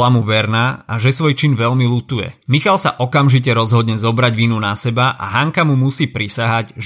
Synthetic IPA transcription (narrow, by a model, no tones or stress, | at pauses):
lamuʋɛɾnaːaʒɛsʋɔjt͡ʃinʋɛʎmilut̪ujɛ̰mixalsa̰ʔɔkamʒic̬ɛɾɔzɦɔd̪ɲɛzɔbɾaɟʋiːnunasɛbaʔa̰ɦaŋkamumusiːpɾisaɦaɟʒ